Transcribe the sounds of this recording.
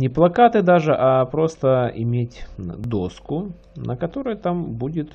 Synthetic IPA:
nʲɪplˠɐkat̪ɨd̪aʐɨʔapɾo̞st̪əɪ̰mʲetʲd̪o̞skʊ | nʔəkɐt̪o̞ɾɨjt̪ambudʲɪt̪

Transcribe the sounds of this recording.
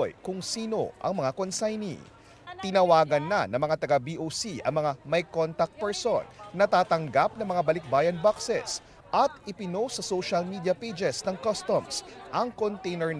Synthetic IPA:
jkʊŋsiːno̞̰ʔɐ̰ŋmɐŋakonsajnḭ | t̪ɪnɐwaːɡɐnːɐnɐŋmɐŋat̪ɐɡabiːʔosiʔɐ̰ŋmɐŋamɐjkont̪ɐk̚t̪̚pɛɹsonːɐt̪aːt̪ɐŋɡap̚nɐŋmɐŋabɐlɪk̚baːjɐnbaksɛ̰s | ʔɐt̪ʔɪpɪnosɐsoʃɐlmiːd̪iɐpejd͡ʒɛsnɐŋkɐst̪omsʔɐŋkont̪ɛjnɛɹ

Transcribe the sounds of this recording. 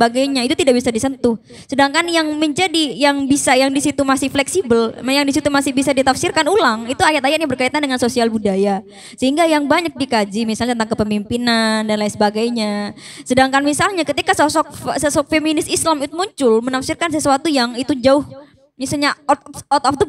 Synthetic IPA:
əbaɡajɲait̪ut̪idaʔk̚bisadisənt̪ʊh | sədaŋkanjaŋməɲd͡ʒadijaŋbisajaŋdisit̪umasɪhflɛksibəljaŋdisit̪umasɪhbisadit̪afsirkanulaŋit̪uajat̪̚ajat̪̚ɲabərkait̪andəŋansosialbudaja | səhiŋɡajaŋbaɲak̚dikad͡ʒimisalɲat̪ənt̪aŋkəpəmimpinandanlainsəbaɡajɲa | sədaŋkanmisalɲakət̪ikasɔsɔk̚səsɔk̚feminɪsislamit̪umuɲt͡ʃʊlmənafsɪrkans̬əsuat̪ujaŋit̪ud͡ʒaʊh | misalɲat̪ɔt̪ɔfd̪ə

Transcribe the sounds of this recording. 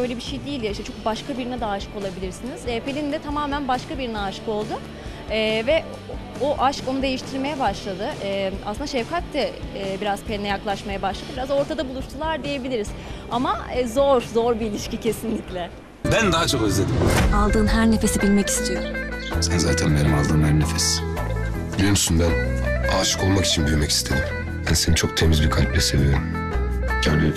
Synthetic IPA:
bø̞jlʲebiʃejd̪iːlʲiʃt̪ɛt͡ʃʰo̞k̚baʃkʰabiɾinɛd̪aːʃɯ̥ko̞lˠabilʲiɾsiniz̥ɛpʰelʲind̪ɛt̪ʰamaːmænbaʃkabiɾinɛaʃko̞lˠd̪ʊ | ɛːvɛ | oʔaʃko̞nud̪e̞jiʃt̪ʰiɾme̞jɛbaʃlˠad̪ɯʔɛːa̰sɯnd̪aʃɛvkʰat̪ːɛbiɾaz̥pʰelʲnʲɛjaklˠaʃmajabaʃlˠad̪ɯbiɾazo̞ɾt̪ʰad̪abulˠuʃt̪ʰulˠaɾd̪ije̞bilʲiɾiz̥ | amazo̞ɾzo̞ɾbiːlʲiʃcicʰe̞sinlʲiclʲɛ | bænd̪aɦat͡ʃʰo̞kɯzlʲed̪imalˠd̪ɯːnɦæɾne̞fe̞sibilʲmɛci̥st̪ʰijoɾsenzaːt̪ʰænbeɾʲimalˠd̪ɯːnhæɾnefes | ilymsynbænaːʃɯ̥ko̞lˠmaki̥t͡ʃʰinɟøɾmɛci̥st̪ʰed̪im | jænsenit͡ʃʰo̞k̚t̪ʰemizbikʰalʲplʲɛsevijoɾm | ɟʰæɾbi

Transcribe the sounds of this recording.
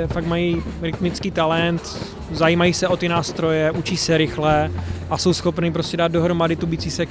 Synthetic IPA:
ɛfaɡmajiːɾɪt̪mɪt͡skiːt̪alɛnt̪ | zajiːmajiːsɛʔo̞t̪ɪnaːst̪ɾo̞jɛʔut͡ʃiːsɛɾɪxlɛʔaso̞wsxo̞pniːpɾo̞scɛdaːd̪doɦɾomadɪt̪ubiːt͡siːsɛ

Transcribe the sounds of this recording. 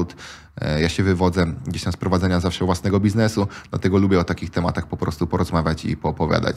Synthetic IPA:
ut̪ | jaɕɛvɘvɔd̪zɛɡd͡ʑeɕt̪amspɾɔvad̪zɛɲazafʂɛvwasnɛɡɔbʲiznɛsud̪la̰t̪ɛɡɔlubʲjɛɔt̪akʲixt̪ɛma̰t̪axpɔpɾɔst̪upɔɾɔzmavʲjat͡ɕḭpɔːpɔvʲja̰d̪a̰t͡ɕ

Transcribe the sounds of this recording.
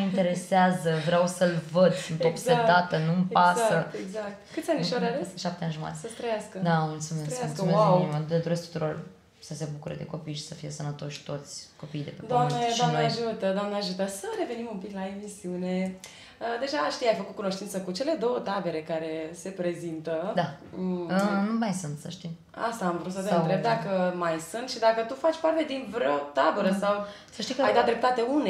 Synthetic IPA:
int̪e̞ɾeseazəvɾeawsəlvəd̪sɨnt̪opseaat̪ənumpasaət̪eɡzak̚t̪kɨt̪sʲaniʃoɾavesʃap̚t̪eanʒuma̰t̪esəst̪ɾəjaskəd̪amult̪sumesmult̪sumeaməd̪ed̪oɾeskt̪u̥t̪uɾo̞r | səse̞bukuɾḛd̪e̞ko̞pijʃi̥səfije̞sənət̪o̞ʃt̪o̞t̪sʲko̞pijd̪eped̪oamned̪oaneaʒut̪əd̪oamnəaʒut̪əsəɾe̞ve̞nimumpiklae̞misiune̞ | əd̪e̞ʒaʃt̪ijajfəkut̪kuno̞ʃt̪int̪səkut͡ʃe̞le̞d̪o̞wət̪abe̞ɾe̞kaɾe̞se̞pɾe̞zint̪əd̪aənumajsunt̪səʃt̪im | a̰st̪aːmvɾut̪sət̪eɨnt̪ɾe̞b̚d̪akəmajsɨnt̪ʃid̪akət̪ufat͡ʃʲpart̪e̞d̪invɾeot̪abəɾəsaw | səʃt̪ikajd̪at̪̚d̪ɾep̚t̪at̪e̞une

